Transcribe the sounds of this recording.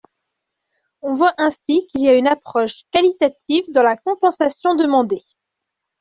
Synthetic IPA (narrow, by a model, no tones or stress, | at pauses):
ɔ̃vwaʔɛ̃sikiliaynapχɔʃkalit̪at̪ʰivd̪ɑ̃lakɔ̃pɑ̃sasjɔ̃d̪əmɑ̃d̪e